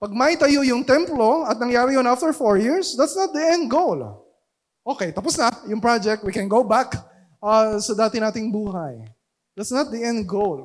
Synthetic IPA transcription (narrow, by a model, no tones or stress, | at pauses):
pɐɡ̚mait̪ɐjojʊŋt̪ɛ̃mplo̞ɐt̪̚nɐŋjaːɾɪjonaft̪ɛɹfoɹjiɹsd̪ɐt̪snɐt̪̚d̪iɛ̃nd̪̚ɡol | ʔokejt̪ɐposnɐjʊŋpɹad͡ʒɛk̚t̪̚wikɛ̃nɡowbak | ʔɐsɐd̪aːt̪ɪnaːt̪ɪŋbuːɦɐj | d̪ɐt̪snɐt̪̚d̪iʔɛ̃nd̪̚ɡowl